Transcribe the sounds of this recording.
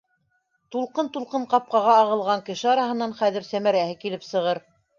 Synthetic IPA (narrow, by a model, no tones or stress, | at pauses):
t̪ulˠqɤnt̪ulˠqɤɴqɑp̚qɑʁɑːʁɤ̆lˠʁɑŋkɘ̆ʃɘɑɾɑhɤ̆nːɑnχæðɘɾsæmæɾæhɘkilɘpsɤ̆ʁɤɾ